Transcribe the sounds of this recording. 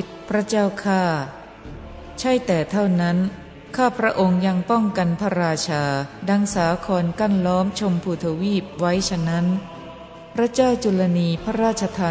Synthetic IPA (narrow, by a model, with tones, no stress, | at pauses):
t̪̚pʰɾa˦˥t͡ɕaː˥˩wkʰaː˥˩ | t͡ɕʰa˥˩jt̪ɛː˨˩t̪ʰa˥˩wna˦˥n | kʰaː˥˩pʰɾa˦˥ʔo˧ŋja˧ŋpɔ˥˩ŋka˧npʰa˦˥ɾaː˧t͡ɕʰaː˧da˧ŋsaː˩˦kʰɔː˧nka˥˩nlɔː˦˥mt͡ɕʰo˧mpʰuː˧˩t̪ʰa˧wiː˥˩p̚wa˦˥jt͡ɕʰa˧na˦˥n | pʰɾa˦˥t͡ɕaː˥˩wt͡ɕu˧la˧niː˧pʰa˦˥ɾaː˥˩t̪̚t͡ɕʰa˧t̪ʰaː˧